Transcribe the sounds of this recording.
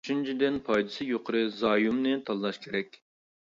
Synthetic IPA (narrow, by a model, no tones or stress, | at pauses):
t͡ʃynt͡ʃʰid̪ɪnpʰɑjd̪ɨsɨjoqʰəɾɨzɑːjumnɨt̪ʰɑlˠːɑʃkʲʰeɾɛkʲ